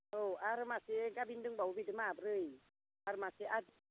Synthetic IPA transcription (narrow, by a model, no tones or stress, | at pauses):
oaɾɨmasɪŋkabindɨŋɡ͡baubidəmabɾəi | aɾɨmasiʔad